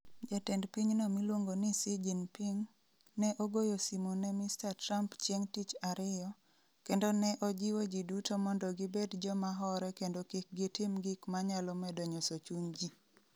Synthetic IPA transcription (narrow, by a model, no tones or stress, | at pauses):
d͡ʒatɛndpiɲnɔmilwoŋɡonɪsid͡ʒinpiŋ | nɛʔoɡojosimonɛmistatɾampt͡ʃjeŋtit͡ʃaɾɪjɔ | kendonɛʔɔd͡ʒiwod͡ʒidutomɔndɔɡɪbedd͡ʒɔmaɦɔɾɛkendokik̚ɡitɪmɡɪkmaɲalɔmɛdɔɲosot͡ʃuɲd͡ʒi